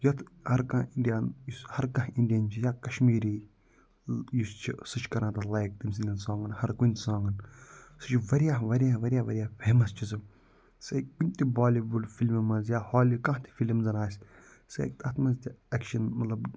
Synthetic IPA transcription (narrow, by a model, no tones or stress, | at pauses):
jɐt̪ʰhɐɾkɐ̃iɳɖijanjushɐɾkɐ̃ɦiɳɖijɐnt͡ʃʰijaːkɐʃmiːɾiː | just͡ʃʰisɨt͡ʃʰkɐɾãːt̪ɐlajk̚t̪ims̬inʲɐnsãːŋɡɐnhɐɾkunʲt̪ʲsãːŋɡɐnsɨt͡ʃʰʋɐɾijaːʋɐɾjaːʋɐɾjaːʋɐɾʲjaːpʰeːmɐst͡ʃʰizɨ | sɐkunʲt̪ʲibaːlibulfʰilmimɐnzjaːhaːlikɐ̃ɦt̪ʰi̥filmzɐnaːsʲ | sɐ̰kt̪ɐt̪ʰmɐnzt̪ʲiekʃɐnmɐt̪lɐb